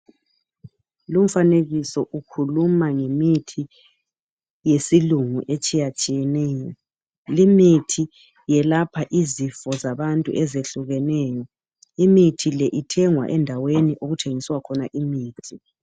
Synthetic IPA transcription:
lum̩faneɣisɔʔukʰulumaŋemitʰi | jesiluŋṵʔet͡ʃʼijat͡ʃʼijɛnɛːjɔ | limitʰi | jɛlapʰaʔizifɔzaβantʼṵʔɛzeɬuɣɛnɛːjɔ | imitʰilɛʔitʰɛŋwa̰ʔɛndʱaweniʔoɣutʰeŋiswakʰɔnaʔimiːtʰi

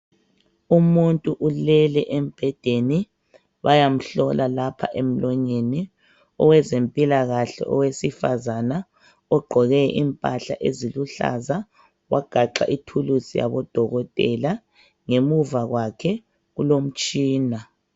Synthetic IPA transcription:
umuntʼuʔulɛlɛʔem̩b̥ʱɛd̥ʱeni | βajam̩ɬɔlʔalapʰa̰ʔem̩lɔɲeni | ɔwɛzempʼilaɣaɬɛ̰ʔɔwesifazana | ɔɡ͡ǃʱɔɣɛʔimpʼaɬaʔeziluɬa̰za | wʔaɡ̥ʱaǃa̰ʔitʰulusija̰βɔd̥ʱɔɣɔtʼɛla | ŋemuvaɣwakʰɛ | ɣulom̩t͡ʃʼiːna

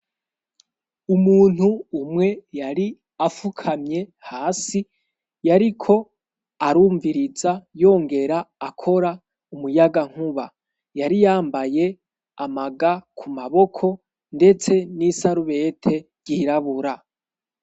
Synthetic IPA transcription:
umuːn̥huːmŋe̞jaɾi | afukʰamɲe̞haːsi | jaɾikʰo̞ | aɾuːɱviɾizajo̞ːŋɡe̞ɾaːkʰo̞ɾa | umujaɡaŋ̥huβa | jaɾijaːmbaje̞ | amaɡakʰumaβo̞kʰo̞ | nde̞t͡se̞nisaɾuβe̞tʰe̞ɾɟiɾaβuɾa

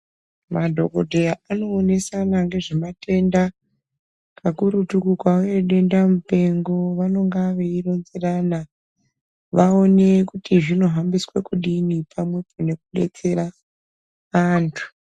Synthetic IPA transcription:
madʱo̞̰ko̞dʱe̞jaano̞ːne̞sanaŋɡe̞ʐemate̞nda | kakuɾutukukwaoeɗe̞ndamupe̞ŋɡo̞ʋano̞ŋɡaʋe̞iro̞nzeraːna | ʋao̞nekutiʐino̞ɦambiswekuɗinipʰamwe̞pʰone̞kuɗe̞̰t͡se̞ɾa | aːntʰu̥

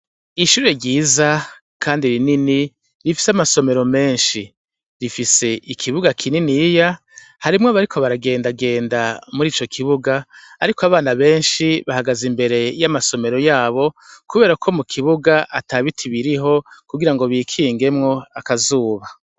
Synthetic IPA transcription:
iʃuːɾe̞ɾɟiːza | kʰaːndiɾinini | ɾifi̥seamaso̞me̞ɾo̞me̞ːnʃi | ɾifise̞ʔikʰiβuɡakʰininija | haɾimŋoβaɾikʰo̞βaɾaɡe̞ːndaɡe̞ːndamuɾiːt͡ʃo̞kʰiβuɡaːɾikoaβaːnaβe̞ːnʃiβahaɡazimbe̞ɾe̞jamaso̞me̞ɾo̞jaːβo̞kuβe̞ːɾakʰo̞mukʰiβuɡaʔataβitʰiβiɾiɦo̞kuɡiɾaŋɡo̞βiːkʰiːŋɡe̞mŋo̞akazuːβa

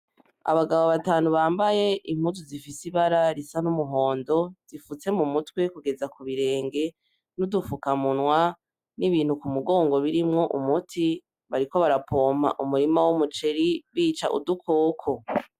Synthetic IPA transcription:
a̰βaɡaβo̞βataːnuβaːmbaje̞ʔim̥huzuzifisiβaɾaɾisanumuɦo̞ːndo̞z̥ifut͡se̞mumutwe̞kuɡe̞zakuβiɾe̞ːŋɡe̞ | nudufukamunwa | niβiːnhukumuɡo̞ːŋɡo̞βiɾimŋo̞ʔumutʰi | βaɾiko̞βaɾapʰoːma̰ʔumuɾimawumut͡ʃe̞ɾiβiːt͡ʃa̰ʔṵdukʰo̞ːkʰo̞

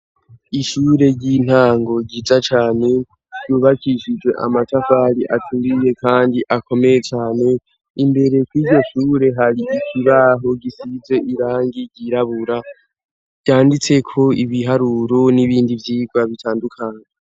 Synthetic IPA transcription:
iʃuːɾe̞ɟin̥haːŋɡo̞ɟiːzat͡ʃaːne̞ | ɾɟuːβakʰiʃid͡ʒwe̞ʔa̰matafaːɾiʔatʰuɾije̞kʰaːndiʔakʰo̞me̞je̞t͡ʃaːne̞ | imbe̞ɾe̞kwiːɟo̞ʃuːɾe̞ɦaɾiikʰiβaːɦo̞ɡisize̞ʔiɾaːŋɡiɟiɾaβuɾa | vjaːndit͡se̞kʰo̞iβiɦaɾuɾoniβiːndivjiːɡwaβitʰaːndukʰaːɲe

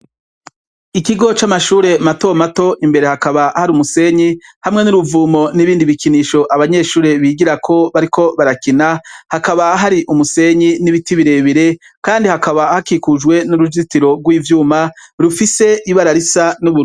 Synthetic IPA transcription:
ikiɡo̞t͡ʃamaʃuːɾe̞mato̞mato̞ʔimbe̞ɾe̞hakaβahaɾumuse̞ɲihamŋe̞nuɾuvuːmo̞niβiːndiβikiniːʃo̞ʔaβaɲe̞ːʃuːɾe̞βiɡiɾakʰo̞βaɾikʰo̞βaɾakinahakaβaɦaɾiʔumuse̞ɲiniβitiβiɾe̞βiɾe̞ | kaːndihakaβahakikuʒwe̞nuɾud͡ʒitiɾo̞ɡwiːvjuːmaɾufise̞ʔiβaɾaɾisanuβu

